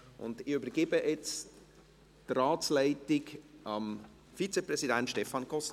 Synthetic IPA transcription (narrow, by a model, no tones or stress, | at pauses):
ʔʊ̰ndɪybəɾɡ̥ɪbəʔɛt͡s | traːt͡slæɪtɪkʔɑm | fit͡seprɛzidæntʃtɛfɑnɡɔs